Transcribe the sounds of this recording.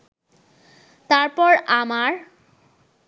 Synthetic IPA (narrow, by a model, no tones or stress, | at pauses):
t̪aɹpɔɹamaɹ